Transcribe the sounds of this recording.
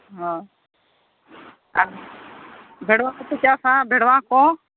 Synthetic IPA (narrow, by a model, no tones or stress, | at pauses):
ɦõː | aː | bʱeːɽʋãːkʊpɪt͡ʃaːsãːbʱeɽʋãːkõː